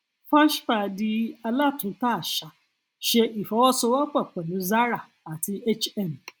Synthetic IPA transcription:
fã˦ʃfa˦˨di˧a˧la˦˨tũ˨˦ta˦˨ʃa˨ | ʃe˧ʔi˨fɔ˨˦wɔ˦sɔ˧˦wa˦k͡pɛ˦˨k͡pɛ˨nũ˨˦za˦ɾa˦˨ | a˨ti˧e˦t͡ʃɛ˦˨m˨

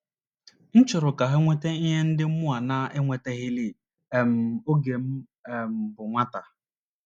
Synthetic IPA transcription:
n̩˦t͡ʃʊ˨ɾʊ˨ka˨ɦe˦ŋʷe˦te˦i˦ɦe˦n̩˦dɪ˦m̩˦mʊ˦a˨na˦e˦ŋʷe˨te˦ɣɪ˦li˦˨ | e˨m̩˨o˦ɡe˨m̩˦˨ | m̩˨bʊ˨ŋʷa˦ta˨

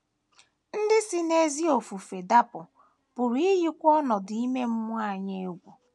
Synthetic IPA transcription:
n̩˦dɪ˦sɪ˦ne˦zi˦o˨fu˨fe˨da˦pʊ˨ | pʊ˨ɾi˦ɦi˦kʷɔ˦nɔ˨di˦me˦m̩˦mʷ˦a˦˨ɲe˦ɡʷo˨

